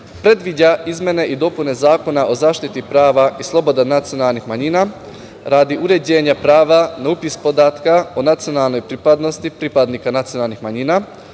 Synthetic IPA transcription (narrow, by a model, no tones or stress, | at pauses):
pɾe̞d̪ʋid͡ʑaizmʲe̞ne̞ʔid̪o̞pune̞zaːko̞naʔo̞zaːʃt̪it̪ipɾaːʋaislˠo̞bo̞d̪anat̪sio̞nalˠnixmaɲiːna | ɾaːd̪iʔuɾe̞d͡ʑe̞ːɲapɾaːʋanaupispod̪aːt̪kaonat̪sijo̞nalˠno̞jpɾipad̪no̞st̪ipɾipad̪nikanat̪sijo̞nalˠnixmaɲiːna